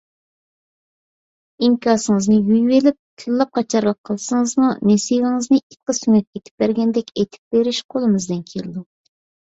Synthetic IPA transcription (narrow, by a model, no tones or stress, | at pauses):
iŋkʰʲɑːsɨŋɨznɨjyjwelɪp̚t̪ʰɨlːˠɑp̚qʰɑt͡ʃʰɑɾlˠəqʰːəlˠsɨŋəzmunesiʁɪŋɨznɨit̪̚qəsyŋʲɛt̪̚et̪ʰɪ̥p̚bæɾɡʲɛnd̪ɛkʲet̪ʰɪ̥p̚b̥eɾɪʃqʰolˠɨmɨzd̪ɨnkʲʰeɾɪd̪u